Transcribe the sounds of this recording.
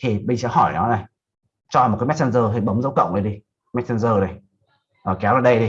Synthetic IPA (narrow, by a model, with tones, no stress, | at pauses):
t̪ʰi˨˩ɓï˧ŋ̟sɛ̰˧˥ɦɔ˧˩jnɔ˨˦na˨˩j | t͡ɕɔ˧mo˨˩kːa˨˦mɛ˦˥t̚sa˧nzəː˧hi˨˧˩ɓə˨˦ŋ͡mzə˨˦wkə̰˧˨wŋ͡mʔə˧jɗi˧ | mɛ˦˥t̚sa˧nzəː˧na˨˩j | ʔəː˨˩kɛ˨˦wzaː˨˩ɗə˧jɗi˧